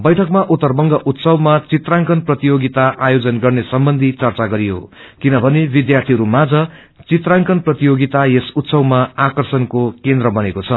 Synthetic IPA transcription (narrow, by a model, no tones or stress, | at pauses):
bʌjʈʰʌkmaʔut̪ːʌrbʌŋɡʌʔut̪sʌwmat͡sit̪raŋkʌnprʌt̪ijoɡit̪aʔajod͡zʌnɡʌrnesʌmbʌnd̪ʱit͡sʌrt͡saɡʌɾijo̰ | kinʌbʱʌnebid̪jart̪ʰiɦʌɾumad͡zʌ | t͡sit̪raŋkʌnprʌt̪ijoɡit̪ajesut̪sʌwmaakʌrsʌnkokend̪rʌbʌnekot͡sʰʌ